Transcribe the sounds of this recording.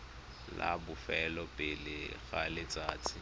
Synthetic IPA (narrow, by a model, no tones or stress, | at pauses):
labʊfɛlɔpʼɪlɪɣalɪt͡sʼaːt͡sʼɪ